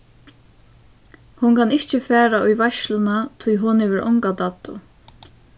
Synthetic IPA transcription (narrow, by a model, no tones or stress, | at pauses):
hunkʰanɪht͡ʃɪfæːɾaʔʊjʋaʃlʊnat̪ʰʊjɦʊnɪʋɪɾʔɔ̰ŋkat̪at̪ːʊ